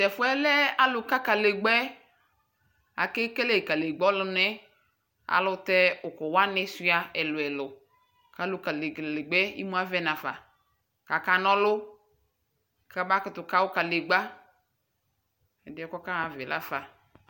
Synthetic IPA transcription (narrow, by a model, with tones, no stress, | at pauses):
tɛ˨fʊ˦ɛ˦lɛ˦a˦lʊ˨ka˦ka˨le˨ɡ͡bɛ˦ | a̰˨ke˦kɛ˦le˨ka˨le˨ɡ͡bɔ˦lʊ˨nɛ˦ | a̰˨lʊ˦tɛ˦ʊ˨kɔ˨wa˦nɪ˦si˦a˨ɛ˨lʊ˨ɛ˨lʊ˨ | ka˨˦lʊ˨ka˨llɪ˨ɡ͡bɛ˦ḭ˦mu˦a˦vɛ˦na˨fa̰˨ | ka˨ka˨nɔ˦lʊ˦ | ka˨ba˦kɪ˦tʊ˨ka˦wʊ˦ka˨le˨ɡ͡ba˦ | ɛ̰˨dɪ˨˦ɔ˨kɔ˦ka˦a˨vɪ˨lʔa̰˦fa˨